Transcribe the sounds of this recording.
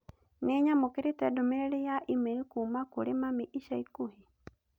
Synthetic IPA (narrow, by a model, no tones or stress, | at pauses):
neɲamokeɾetɛdɔmeɾeɾejaʔimeɾikumakoɾemamiʔiʃaikohi